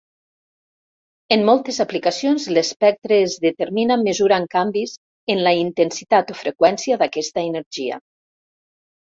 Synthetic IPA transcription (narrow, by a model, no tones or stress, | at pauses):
emːɔlˠt̪ezaplikasijonzlespɛk̚t̪ɾeːzðət̪eɾminammːəzuɾaŋkambiz | enlaint̪ensit̪at̪ofɾekwɛnsiaðakɛst̪aenəɾʒia̰